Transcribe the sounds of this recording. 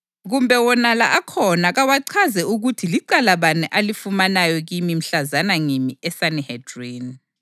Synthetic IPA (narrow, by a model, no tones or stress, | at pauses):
ɣumbʱɛwɔnalaʔakʰɔnaɣawaǀʰazɛuɣutʰiliǃalaβanɛʔalifumanajɔɣimim̩ɬazanaŋimiɛsanihɛdrin